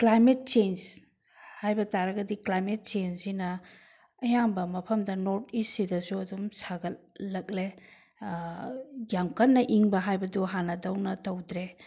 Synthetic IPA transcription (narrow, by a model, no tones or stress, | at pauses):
klajmet̚t͡ʃens | hajbɐtaɾɐɡɐdiklajmet̚t͡ʃensinɐː | jambɐmɐpʰɐmdɐnoɾt̚isːidɐsuɐdumsaɡɐ | lɐk̚le | jamkɐnnːɐʔiŋbɐɦajbɐduɦanɐdɐwnɐtɐwdɾe